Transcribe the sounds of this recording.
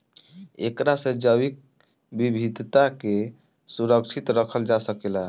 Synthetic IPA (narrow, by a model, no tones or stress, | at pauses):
ḛkɾasẽd͡ʒəwik̚ | bibʱid̪ʱt̪ake | suɾək̚t͡ʃʰit̪ɾəkʰəld͡ʒasəkela